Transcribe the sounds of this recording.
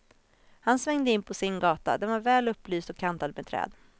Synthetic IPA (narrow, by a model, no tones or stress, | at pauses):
hansvɛŋd̪əɪnːpʰɔsɪnɡɑːt̪a̰d̪ɛnvaɾvɛːlɵpːlyːst̪ɔkʰːant̪ad̪mɛːt̪ʰɾɛ̰ːd̪